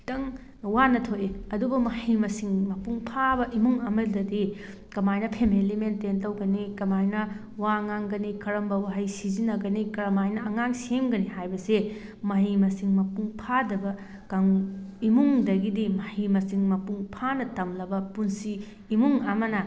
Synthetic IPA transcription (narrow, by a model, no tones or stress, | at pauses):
tɐŋ | wanɐtʰoʔeɐdubɐmɐhimɐsiŋmɐpuŋpʰabɐʔimuŋɐmɐldɐdi | kɐmajnɐpʰemelimententɐwɡɐnikɐmajnɐ | waŋaŋɡɐnikʰɐɾɐmbɐwaɦɐjsizinːɐɡɐnikɐɾɐmajnɐːŋaŋsemɡɐniɦajbɐse | mɐɦimɐsiŋmɐpuŋpʰadɐbɐ | kaŋimuŋdɐɡidimɐhimɐsiŋmɐpuŋpʰanɐtɐmlɐbɐpunsiː | muŋɐmɐnɐ